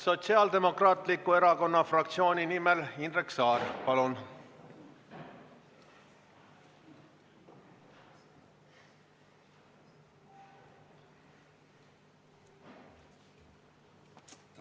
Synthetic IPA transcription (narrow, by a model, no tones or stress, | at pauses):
so̞t̪siɑːld̪e̞mo̞krɑːt̪likːˑue̞ɾɑko̞nːɑfrɑkt̪sio̞ːninimelind̪reksɑːrpɑlun